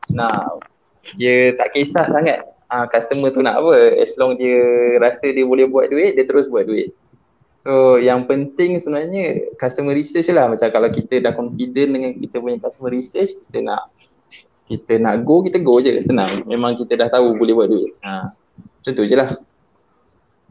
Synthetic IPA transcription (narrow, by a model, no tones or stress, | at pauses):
naʔ | diət̪aʔkesahsaŋat̪̚ | ə̃kast̪əmət̪unaʔapəɛ̰slɔŋdiəɾasədiəbolɛhbuwat̪̚duɪʔ̪̚diət̪əɾʊsbuat̪̚duɪt̪̚ | sojaŋpənt̪ɪŋsəbənaɲəkast̪əməɾisət͡ʃlahmat͡ʃamkalawkit̪ədahkɔnfidəndəŋankit̪əpuɲəkast̪əməɾisət͡ʃkit̪əna̰ʔ | kit̪ənaʔɡokit̪əɡod͡ʒəsənãŋmemãŋkit̪ədaht̪aubolɛhbuat̪̚duɪt̪̚ə | t̪ənt̪ud͡ʒəlah